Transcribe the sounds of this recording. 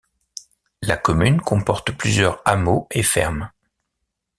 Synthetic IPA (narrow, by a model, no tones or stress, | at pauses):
lakɔmynkɔ̃pɔʁt̪plyzjœʁamoefɛ̰ʁm